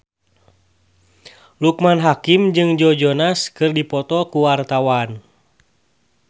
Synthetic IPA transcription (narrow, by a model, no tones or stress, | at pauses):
lukmanɦakimd͡ʒɨŋd͡ʒɔd͡ʒɔnaskɨrdipɔt̪ɔkuwart̪awan